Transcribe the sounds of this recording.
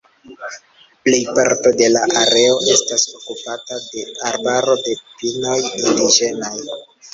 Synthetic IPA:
ple̞jpaɾto̞de̞laʔaɾe̞o̞ʔe̞staso̞kupatade̞aɾbaɾo̞de̞pino̞jtindiʒe̞naj

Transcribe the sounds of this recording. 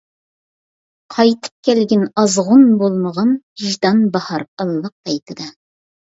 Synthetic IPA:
qʰɑjt̪ʰɨ̥p̚kʲʰɛlɡʲɪnɑzʁʊnbolˠməʁɑnhiʒd̪ɑnbɑhɑɾəlˠːəq̚b̥ɛjt̪ʰɨd̪ɛ

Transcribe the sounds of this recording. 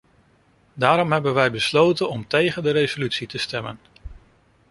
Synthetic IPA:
daːɾɔmɦɛbənʋɛjbəslowtənɔmtejχəndəɾejzolytsitəstɛmə̰n

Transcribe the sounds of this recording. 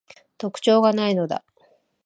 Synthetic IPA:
t̪o̞kɯ̥t͡ɕo̞ːɡanaino̞d̪a̰

